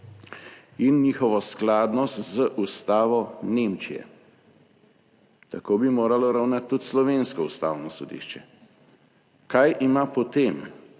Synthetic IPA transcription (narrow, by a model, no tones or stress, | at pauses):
inːiːxɔʋɔsklaːd̪nɔst̪zəʔust̪aːʋɔnemt͡ʃijɛ̰ | t̪akoːbimoːɾalɔɾawnat̪ːut̪slɔʋeːnskɔust̪a̰ːwnɔsɔd̪ḭːʃt͡ʃɛ | kajʔimapɔt̪em